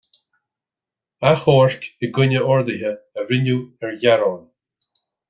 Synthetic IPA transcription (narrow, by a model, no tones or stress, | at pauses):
axɔːɹkɪɡʊnʲəʔɔɹd̪ɪɦəːɾɪnuɛɹjaɾɔn